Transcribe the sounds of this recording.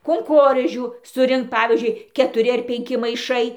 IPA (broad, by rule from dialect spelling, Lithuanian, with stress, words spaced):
kʊŋˈkoːrʲeːʒʲuː sʊˈrʲɪŋkt ˈpɑːʋʲiːzʲd͡ʒʲʊɪ kʲɛtʊˈrʲɪ ˈɐr pʲɛŋʲˈkʲɪ mɐɪˈʃɐɪ